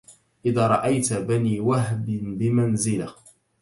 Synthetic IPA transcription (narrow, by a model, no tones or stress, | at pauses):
ʔɪðaːɾˤɑʔajt̪baniːwaɦbɪnbɪmanzɪla